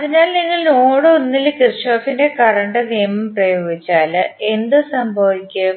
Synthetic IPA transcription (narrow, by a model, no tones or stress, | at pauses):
ɐðinaːlniŋːɐɭno̞ːɽɨonːilkirʂoːfinde̞kɐrɐɳɖɨniːmɐmprɐjoːɡit͡ɕːaːlɨe̞nd̪ɨsɐmbʱɐʋikʲːɨ